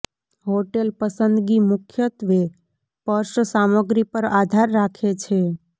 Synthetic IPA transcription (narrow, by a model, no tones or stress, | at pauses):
ɦoʈelpəsənd̪ɡimʊkʰjət̪ʋe | pəɾʃəsaməɡɾipəɾad̪ʱaɾːakʰet͡ʃʰe